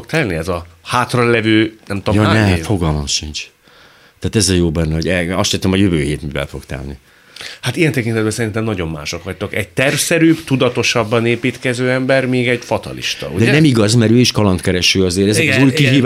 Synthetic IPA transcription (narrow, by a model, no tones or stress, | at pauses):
kt̪ɛlniɛzɒhaːt̪rɒlɛvøːnɛmt̪ojoːnɛfo̞ɡɒlmɒʃːint͡ʃ | t̪aːt̪ɛzɛjoːbɛnːɛoɟɛɒʃɛːt̪omɦojøvøːɦeːt̪mivɛ̰lfokt̪ɛ̰lnḭ | hat̪ijɛnt̪ɛkint̪ɛd̪̚bɛnsɛɾint̪ɛmnɒɟo̞mːa̰ːʃo̞kʋɒc̚t̪okɛɟ̚t̪ɛrfsɛɾyːbt̪ud̪ɒt̪o̞ʃɒbːɒneːpiːt̪kɛzøːɛmbɛrmiːɡɛɟfɒt̪ɒ̰lḭʃt̪ɒ̰ṵɟdɛnɛmiɡɒzmɛɾøːiʃkɒlɒnt̪kɛɾɛʃyːɒzeːɾɛzɛzuːjkiɦi